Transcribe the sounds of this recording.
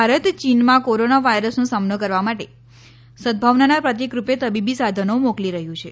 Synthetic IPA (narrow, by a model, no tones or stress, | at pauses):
aɾət̪t͡ʃinmãkoɾonaʋajɾəsnũsamnəkəɾʋamaʈe | sə̃d̪̚bʱaʋnanapɾət̪̬jekɾupet̪əbibisad̪ʱənomokliɾəɦjũt͡ʃʰe